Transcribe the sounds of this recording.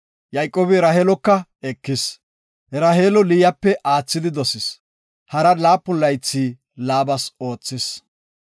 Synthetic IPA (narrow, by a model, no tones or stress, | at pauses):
jɐjkʼoːbɪɾaheːlɔkːɐɛkːɪs | ɛɾɐɦeːlɔlɪjɐpːɛʔaːt͡sːɪd̪ɪd̪ɔsɪs | hɐɾɐlaːpːʊlːɐjt͡sːiː | laːbɐso̞ːt͡sːɪs